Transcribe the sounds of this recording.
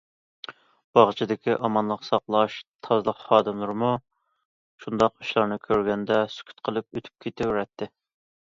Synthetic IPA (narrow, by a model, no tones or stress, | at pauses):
b̥ɑʁt͡ʃʰid̪ɪkʲiʔɑmɑnlˠəqsɑqlˠɑʃt̪ʰɑzlˠəqχɑːd̪ɨmlˠɨɾmu | ʃund̪ɑqyʃlˠɑɾnɨkʲʰøɾɡʲɛnd̪ɛsy̥kʲʰy̥t̪qʰəlˠɨp̚øt̪ʰy̥p̚kʲʰet̪ʰɪwɾɛt̪ʰːɪ